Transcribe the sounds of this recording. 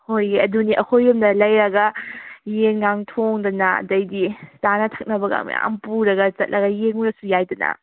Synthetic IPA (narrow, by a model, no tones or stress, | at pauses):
hojiɐduniʔɐhʰojumnɐlɐjɾɐɡɐjenɡaŋtʰoŋdɐnɐ̰dɐjdistanɐtʰɐ̥k̚nɐbɐɡa̰ŋmḭa̰mpuɾɐɡɐt͡ʃɐt̚lʔɐɡɐjeŋuɾɐsujajdɐnɐ̰